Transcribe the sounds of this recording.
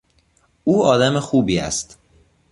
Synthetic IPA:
uːɒːd̪æmexuːbiːæ̰st̪

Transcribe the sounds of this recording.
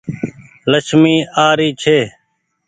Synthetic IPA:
ləʃmiːaːɾiːt͡ʃʰeː

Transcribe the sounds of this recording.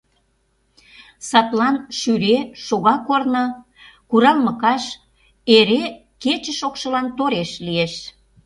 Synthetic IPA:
sɑt̪lɑnʃyɾeʃoɣɑkornə̆ | kuɾɑlməkɑʃ | eɾe | ket͡ɕəʃokʃəlɑnt̪oɾeʃlieʃ

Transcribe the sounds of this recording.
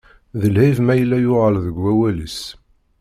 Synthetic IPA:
ðəlhivmæjəlːæjʊʁəlðəɡːæwælis

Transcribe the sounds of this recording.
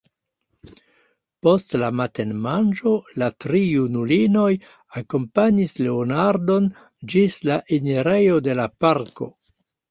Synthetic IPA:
po̞stlamate̞nmand͡ʒo̞latɾijunulino̞j | ako̞mpaɲisle̞onaɾdo̞n | d͡ʒislaʔineɾe̞jo̞de̞lapaɾko̞̰

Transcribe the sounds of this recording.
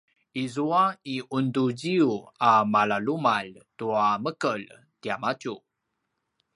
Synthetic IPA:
ʔizuaiʔunduɟiuamalalumaltuaməkəl | tiamacu

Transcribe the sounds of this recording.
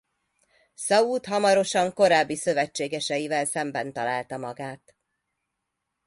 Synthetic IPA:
sɒuːt̪ɦɒmɒɾo̞ʃɒŋko̞ɾaːbːisø̞vɛt͡ʃːeːɡɛʃɛjivɛlsɛmbɛnt̪ɒlaːlt̪ɒmɒɡaːt̪

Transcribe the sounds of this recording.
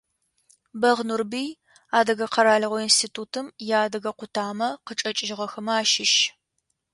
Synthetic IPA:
bɐʁnurbiː | aːdɐɣɐqʰɐɾaːɮɐʁʷɔinstʰiːtʰuːtʰɨmjaːdɐɣɐqʷʊtʰaːmɐqət͡ʃʼɐt͡ʃʼɪʒɪʁɐxɐmaːʃɪʃ

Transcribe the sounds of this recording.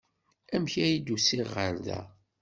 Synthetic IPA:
æmçæjid̪usiʁəɾðæ̰

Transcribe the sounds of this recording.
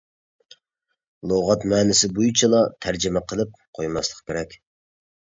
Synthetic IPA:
lˠoʁɑt̪mɛːnɪsɪbujut͡ʃʰilˠɑt̪ʰæɾd͡ʒɪmɛqʰəlˠɨp̚qʰojmɑslˠəqkʲʰeɾɛkʲ

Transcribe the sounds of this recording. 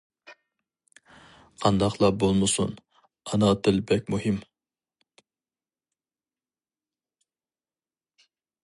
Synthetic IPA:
qʰɑnd̪ɑqlˠɑbolˠmɨsṵn | ɑnɑd̪ɪlbɛk̚ʲmuhim

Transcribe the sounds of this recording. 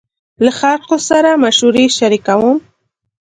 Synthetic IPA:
laxalqosaɾamaʃuɾeʃaɾikawəm

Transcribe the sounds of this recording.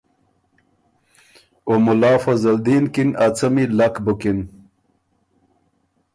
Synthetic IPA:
omulaːfɐzɐld̪inkinat͡sɐmilakbukin

